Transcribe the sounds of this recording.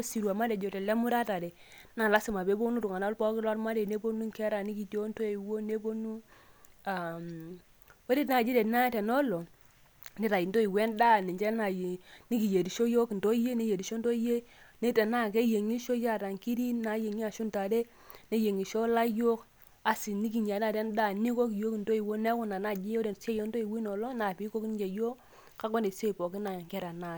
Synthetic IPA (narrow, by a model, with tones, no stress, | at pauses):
o˦si˨ɾu˨a˨ma˦dɛ˨d͡ʒo˨tɛ˨lɛ˦mu˦ɾa˦ta˨de˨ | na˨la˦si˨ma˨pe˨˦bo˦nu˦tu˨ŋa˨na˦lpɔ˦kɪ˦lɔ˦tma˦de˨ne˦bo˦nu˦ŋkɛ˦ɾa˨ni˦ki˨tjo˦nto˦e˨wo˦ne˦bo˦nu˦ | a˨m | we˦ɾi˦tna˨d͡ʒi˦de˨tna˦tɛ˨nɔ˦lo˨ | ni˦ɾa˨ji˨nto˦i˨wɛ˦nda˦˨ni˨nd͡ʒɛ˦na˨jni˦ki˨je˨di˨ʃo˦jo˦kndo˦je˦ne˦je˨di˨ʃo˦nto˦je˦ne˦tɛ˨na˦ke˦je˨ŋi˦ʃo˦ja˦˨ta˨ŋki˦di˦na˨˦je˨ŋi˦a˨ʃu˦nta˨de˦ | ne˦je˨ŋi˨ʃo˦la˦jo˦k | a˨si˨ni˦k̬i˨ɲ˨a˨n˦a˨tɛ˦nda˦ni˦ko˦kjo˦knto˦i˨wo˦ne˦wʊ˨na˨na˦˨d͡ʒi˦jo˦de˨se˦jo˦n˦to˦i˨wi˦nɔ˨lɔ˦na˨pi˦ko˦kn˦d͡ʒe˨jo˦ | ka˦kɔ˦ne˨se˦i˨po˨ki˦na˨ŋkɛ˦ɾa˨na˦˨t